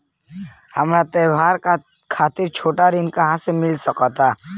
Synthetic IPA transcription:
hɐmɾat̪ɛːbaːɾka | kʰaːt̪ɪɾt͡ʃʰoːʈaɾinkaɦãsemɪlsəkɔt̪a

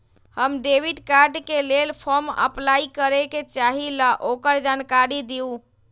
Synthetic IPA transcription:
həmɖebiɖkaɾɖkelelpʰɔɾmə̰plaikəɾeket͡ʃaɦiləʔokəɾd͡ʒankaɾid̪iu

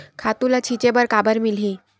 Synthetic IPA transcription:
kʰat̪ulat͡ɕʰit͡ɕebəɾkabəɾmilĩ

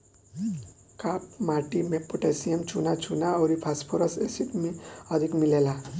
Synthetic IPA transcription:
kapmaʈimepːoʈesijemt͡ʃʰunat͡ʃʰunaʌwɾipʰaspʰoɾʌsesiʈmiʌd̪ʱikmilela

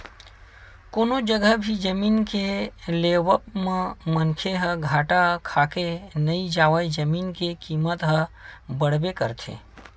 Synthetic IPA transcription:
koːnod͡ʒəɡəbʱid͡ʒəmiːnkeleːwəp̚mẽmənkʰeɦəɡʱaːʈakʰaːkenɐid͡ʒaːwəid͡ʒəmiːnkekiːmət̪ɦəbəɽ̤bekəɾt̪ʰḛː

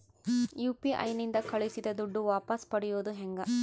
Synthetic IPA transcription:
juːpiʔɐ̰jnind̪ɐkɐɭisid̪ɐd̪uɖːuʋaːpɐspɐɽɛjoːd̪uɦɛŋɡɐ

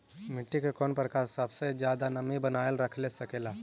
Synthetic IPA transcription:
mɪʈːikekɔːnpɾəkaːɾsəbsed͡ʒjaːd̪anɐmibənaːjelɾəkʰlesɐkeːlaː

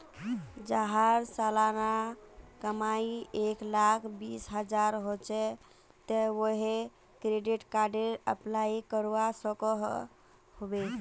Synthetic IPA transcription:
d͡ʒaɦaɾsalanakəmaieklakʰbisɦəd͡ʒaɾɦot͡ʃɛ | t̪əwoɦe | kɾeɖiʈkaɾɖeɾəplajikəɾwasəkəɦ | hobet͡ʃʰ

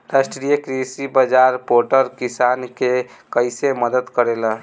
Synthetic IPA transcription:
ɾasʈɾijəkɾisibəd͡ʒaɾpoʈəɾkisanke | kəjseməd̪əd̪kəɾelə

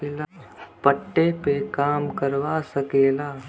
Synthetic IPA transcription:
elapəʈːepekaːmkəɾʋasəkeːlaː

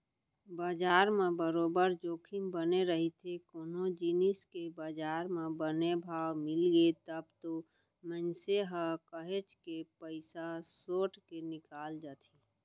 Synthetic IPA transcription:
baːd͡ʒaːɾmẽbəɾoːbəɾd͡ʒoːkʰimbəneɾəɦit̪ʰekoːnod͡ʒiniskebad͡ʒaːɾmẽbənebʱaːwmɪlɡet̪əbt̪o | mənseɦəkəɦet͡ʃkepəɪsasoːʈkenɪkaːld͡ʒat̪ʰi

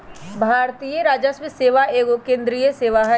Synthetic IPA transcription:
bʱaːɾt̪ijəɾaːd͡ʒəsmɪseːʋaeːɡokẽːnd̪ɾijəseːʋaɦɛ

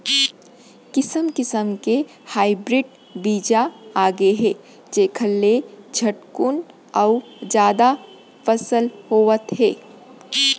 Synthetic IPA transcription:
kɪsəmkɪsəmke | haːɪbɾɪɖ | biːd͡ʒaaːɡeɦɛː | d͡ʒeːkʰəlːed͡ʒʱəʈkʊn | ɔː | d͡ʒjaːd̪a | fəsəlhoːʋət̪ɦɛː

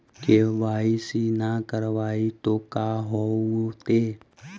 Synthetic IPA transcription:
keʋaːisinakəɾʋaːit̪okaɦoot̪e

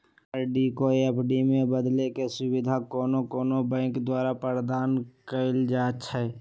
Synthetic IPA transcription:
ɖikoeəpɖimẽbəd̪lekesʊbɪd̪ʱakɔːnokɔːnobɛ̃ːkd̪waːɾapəɾd̪aːnkəɪld͡ʒaːt͡ʃʰɛ

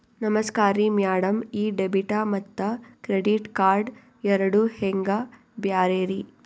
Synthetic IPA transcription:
nɐmɐskaːɾimjaːɽɐmiːɖebiʈaːmɐt̪ːɐkɾeɖiʈkaːɾɖ | ɛɾɐɽuheŋɡa | bjaːɾeːɾi

